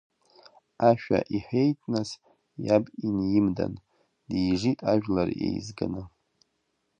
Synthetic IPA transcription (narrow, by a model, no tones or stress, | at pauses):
aʃᶣa̰ʔiħejtʼnas | jabinjɪmda̰n | dijʐitʼaʒᶣlarḛjzɡɨnɨ